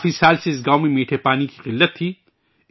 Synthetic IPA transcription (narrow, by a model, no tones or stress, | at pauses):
fisaːlseɪs̬ɡaːwmẽmeːʈʰepaːniki̥qɪlːət̪ʰːiː